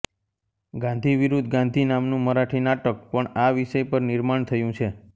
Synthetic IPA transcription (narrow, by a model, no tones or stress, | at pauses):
ɡãnd̪ʱiʋiɾud̪ʱɡãnd̪ʱinamnũməɾaʈʰinaʈək̚pəɳaʋiʃəjpəɾnɪɾmaɳt̪ʰəjũt͡ʃʰe